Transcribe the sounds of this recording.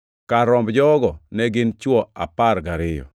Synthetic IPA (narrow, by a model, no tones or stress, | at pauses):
kaɾɔmbd͡ʒɔɡɔnɛɡɪnt͡ʃwɔapaɾɡaɾɪjɔ̰